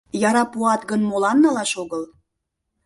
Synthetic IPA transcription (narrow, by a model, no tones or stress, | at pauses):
jɑɾɑpuɑt̪ɡənmolɑnːɑlɑʃoɣəl